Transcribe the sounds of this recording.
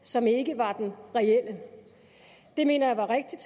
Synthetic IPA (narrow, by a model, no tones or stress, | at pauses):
sɒ̽me̝ɡ̥əʋɑ̈d̥enʁɛel̰ə | d̥e̝me̝̰ːnɐjäʋɑ̈ʁeɡ̥̚d̥id̥